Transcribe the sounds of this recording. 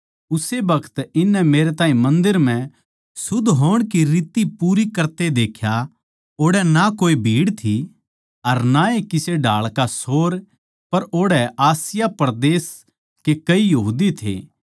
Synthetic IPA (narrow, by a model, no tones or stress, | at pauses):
ʊsebɐkʰə̥t̪ɪnːɛmeːɾet̪aːĩmɐ̃nd̪ɪɾm̤ɛ̃ | sʊd̪ʱɦoːəɽ̃kiɾiːt̪ipuːɾikɐɾt̪ed̪eːkʰja | oːɽɛnakoːibʱiːɽt̪ʰi | ɐɾnaekɪseɖʱaːɭkasoːɾ | pɐɾoːɽɛʔaːsɪjapɾd̪eːs | kekɐijɐɦuːd̪it̪ʰḛː